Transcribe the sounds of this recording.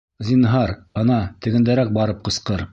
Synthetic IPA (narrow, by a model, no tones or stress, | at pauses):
zʲinɦɑɾɤ̆nɑt̪ɘ̆ɡɘ̆nd̪æɾæk̚bɑɾɤp̚qɤ̆sqɤɾ